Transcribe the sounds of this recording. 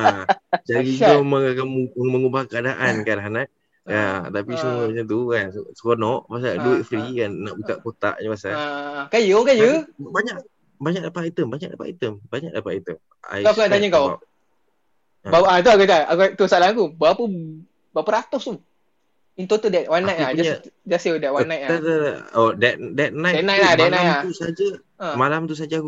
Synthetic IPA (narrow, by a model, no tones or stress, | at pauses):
ad͡ʒaɡiaməŋakauməŋubahkəadaʔankalaɦnaʔ̚ | at̪apisəmuəmat͡ʃamt̪̬ukanssə̥konɔʔbas̬aduɪʔ̪̚fɾikanːaʔbuka̰ʔkot̪a̰ʔɲəpasaakajəkajəbaɲaʔ | baɲak̚dapatːjt̪əmbaɲak̚dapaait̪əmbaɲak̚dapaajt̪əm | a̰j̪oakuŋãʔt̪aɲaŋkaw | baat̪uakut̪aakut̪usalaakubaapə | bapəɾat̪ɔst̪u | int̪ot̪udɛt̪̚wanːajt̪ʔlad͡ʒasd͡ʒasedɛʔ̚wanːajt̪̚aaodɛt̪̚dɛt̪̚nãjɛnajʔladɛnalat̪usad͡ʒa | ãmalamt̪us̬ad͡ʒaku